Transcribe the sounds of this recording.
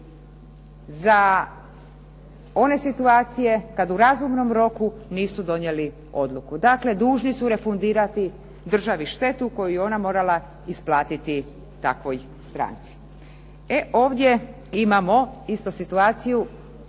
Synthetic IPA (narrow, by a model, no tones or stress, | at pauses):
za | o̞ne̞sit̪uaːt̪sije̞kad̪uɾazumno̞mɾo̞kuniːsud̪o̞njeli | o̞̰d̪lˠukud̪akle̞d̪uːʒnisuɾe̞fund̪iːɾat̪i | d̪r̩ʒaʋiʃt̪e̞t̪uko̞jujeo̞namo̞ːɾala | isplˠaːt̪it̪i | t̪a̰kʋoj | st̪ɾa̰ːnt̪si̥ | eʔoːʋd̪ʲje̞ | imamo̞ist̪osit̪uaːt̪siju